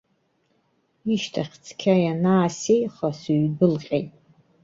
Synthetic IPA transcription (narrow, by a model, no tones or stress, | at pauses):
iʃtʰaχʲt͡sʰkʲʰajanaːsejχasuɥdɨlqʲʼḛjtʼ